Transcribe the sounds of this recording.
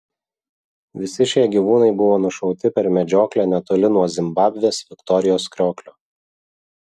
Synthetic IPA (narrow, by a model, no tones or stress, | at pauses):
ʋʲɪsʲɪʃʲiɛɡʲiʋuːnɐɪbʊʋoːnʊʃɐʊt̪ʲɪpʲɛɾmʲɛd͡ʒʲoːklʲæːnʲɛt̪oːlʲɪnuɔzʲɪmbɑːbʲʋʲeːsʋʲɪkt̪ɔɾʲɪjoːskɾʲoːklʲo